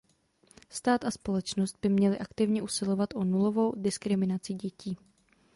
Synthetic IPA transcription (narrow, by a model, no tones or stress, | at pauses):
st̪aːt̪aspo̞lɛt͡ʃnost̪̚bɪmɲɛlɪʔakt̪ɪvɲɛʔusɪlo̞vat̪ʔo̞nulo̞vo̞wdɪskɾɪmɪnat͡sɪɟɛciː